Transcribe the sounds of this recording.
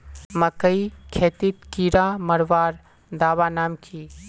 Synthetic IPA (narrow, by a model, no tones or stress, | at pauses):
məkəikʰeːt̪it̪kiɾaməɽʋaːɾ | d̪aːʋanaːmkʰi